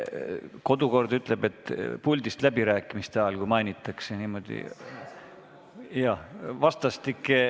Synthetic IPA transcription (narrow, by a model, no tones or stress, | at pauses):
ko̞d̪̥uko̞rd̪̥yt̪ˑle̞b̥e̞t̪ˑːpulʲd̪̥ist̪læbiɾæːkːˑimist̪eɑlkujmɑjnʲit̪ːˑɑkseniːmo̞d̪̥ḭ | jɑvɑst̪ɑst̪ikːˑe